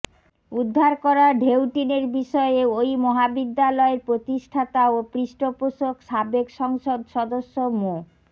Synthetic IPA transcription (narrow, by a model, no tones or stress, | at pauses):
ud̪ʱːaɾkɔɾaɖʱewʈineɾbiʃɔeojmɔɦabid̪ːalɔeɾpɾot̪iʃʈʰat̪aopɾiʃʈopoʃokʃabekʃɔŋʃod̪ʃɔd̪oʃːomo